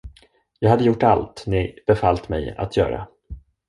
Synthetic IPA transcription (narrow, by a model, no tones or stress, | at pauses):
jɑːɡhad̪ːəjʊʈːalt̪nɪb̥ɛfalt̪mɛ̰ja̰t̪ʰjœ̰ːɾa̰